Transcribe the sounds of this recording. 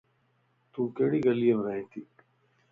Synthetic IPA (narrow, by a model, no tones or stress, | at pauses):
t̪uːkeːɽiɡɐlijemɾaːĩːt̪ʰiː